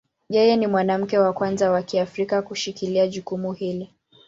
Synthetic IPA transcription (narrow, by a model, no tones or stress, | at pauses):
jɛjɛnimwanam̩kɛwakwanzawakiafɾikakuʃikiliaʄukumuhili